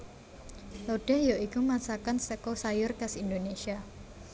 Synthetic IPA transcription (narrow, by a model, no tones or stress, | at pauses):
loɖ̥ɛ̤hjaʔikumasakansəkɔsajʊrkasindonesia